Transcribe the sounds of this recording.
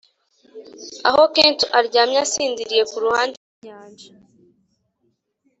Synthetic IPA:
a̰ɦokeːntuʔaɾɟaːmɲasiːndiɾije̞kuɾuhaːnd

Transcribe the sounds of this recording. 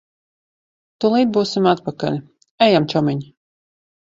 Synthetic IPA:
t̪ulˠiːd̪̚buːsimat̪pakalʲ | ɛjamt͡ʃɔmʲiɲ

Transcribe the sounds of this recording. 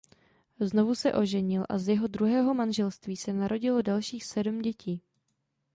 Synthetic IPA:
zno̞vusɛʔo̞ʒɛɲɪlʔa̰zjɛɦo̞dɾuɦɛːɦo̞manʒɛlst̪viːsɛnaɾo̞ɟɪlo̞dalʃiːxsɛdmɟɛciː

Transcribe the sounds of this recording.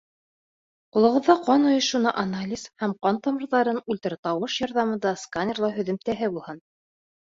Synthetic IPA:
qulˠɤ̆ʁɤ̆ðːɑqɑnŏjoʃunɤʔanalʲizhæmqɑnt̪ɑmɤ̆ɾðɑɾɤnʉlʲt̪ɘ̆ɾɘt̪ɑwɤʃjɒɾðɑmɤ̆nd̪ɑskanʲerlˠɑɦɵ̆ðɘ̆mt̪æɦɘbulˠhɤn

